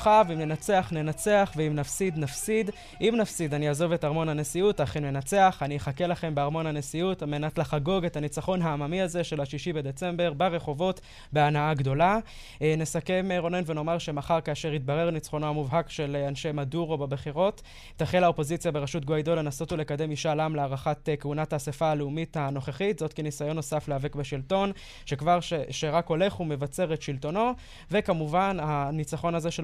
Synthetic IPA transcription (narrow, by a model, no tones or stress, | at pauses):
χavimne̞nat͡se̞aχne̞nat͡se̞aχveimnafsid̪nafsid̪ | ʔimnafsid̪aniazo̞ve̞taʁmo̞nhanesiutaχenme̞nat͡se̞aχanieχake̞laχe̞mbeaʁmo̞nhane̞siutamenatlaχaɡo̞ɡe̞thanit͡saχo̞nɦaːmamiaze̞ʃe̞laʃiʃibe̞d̪e̞t͡se̞mbe̞ʁbaʁe̞χo̞vo̞t | be̞anaaɡdo̞la | ne̞sake̞meʁo̞ne̞nve̞no̞maʁʃe̞maχaʁkaːʃe̞ʁit̚baʁeʁanit͡sχo̞noamuvɦakʃe̞lanʃemaduʁobebeχiʁo̞tː | aχelao̞po̞zit͡sijabeʁaʃutɡoidole̞naso̞tole̞kade̞miʃalamleaʁaχatekeunataːsefaːleumithano̞χeχitzo̞tkenisajo̞nːo̞safleave̞kbeʃilto̞n | ʃe̞kvaʁʃeʃeʁako̞le̞χume̞vat͡se̞ʁetʃilto̞no̞ | ve̞kamuvananit͡saχo̞naze̞ʃe